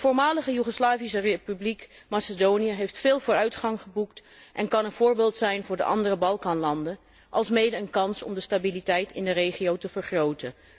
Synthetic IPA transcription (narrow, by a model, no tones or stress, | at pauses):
v̥ʊːɹmaːləχəjyχoslaːvisərepyblikmasədoːnijəɦejftfɪːlˠvʊːɾœɥtχɑŋχəbuktʔɛnkɑnənv̥ʊːɹbeːlˠtsɛjnvʊːɹdə̰ʔɑ̰ndərəbɑlˠkɑːnlɑndə | ʔɑlˠsmejdəənkɑnsɔ̰mdəstabilitɛjtʰɪ̰ndərejχiowtəvəɹχrowtə